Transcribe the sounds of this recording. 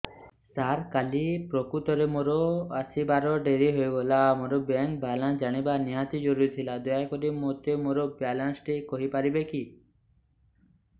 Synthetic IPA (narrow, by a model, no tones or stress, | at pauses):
saɾkalipɾɔkut̪ɔɾemoɾɔasibaɾɔɖeɾiɦojbɔlamoɾɔbɛŋk̚balãnd͡ʒaɽ̃ibaniɦat̪id͡ʒɔɾuɾit̪ʰilad̪ɔjajkɔɾimot̪emoɾɔbjalansʈikɔɦipaɾibeki